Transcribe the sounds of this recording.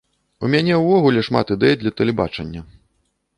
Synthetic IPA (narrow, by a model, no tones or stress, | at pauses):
umʲanʲɛwvɔɣulʲɛʂma̰t̪ɨd̪ɛjd̪lʲɐt̪ɐlʲɛba̰t͡ʂɐnʲːɐ